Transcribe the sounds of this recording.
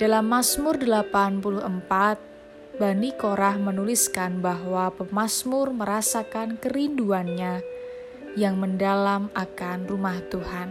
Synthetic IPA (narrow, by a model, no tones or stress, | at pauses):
d̥alamːasmʊrdəlapanpuluhəmpat̪̚ | banikoɾahmənuliskanbaɦwapəmasmʊrməɾasakankəɾinduanɲa | jaŋməndalamakanrumaht̪uhan